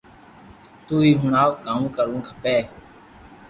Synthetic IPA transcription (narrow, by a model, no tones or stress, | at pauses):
t̪uːiːɦʊɳaːʋkãːmũːkəɾũːkʰəpeː